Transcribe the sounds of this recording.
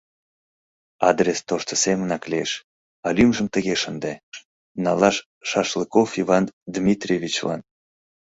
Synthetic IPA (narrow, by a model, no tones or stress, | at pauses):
ɑd̪rʲest̪oʃt̪əsemənɑklieʃ | ɑlymʒəmt̪əɣeʃənd̪e | nɑlɑʃː | ɑʃləkofivɑnd̪mʲit̪rʲevʲit͡ɕlɑ̰n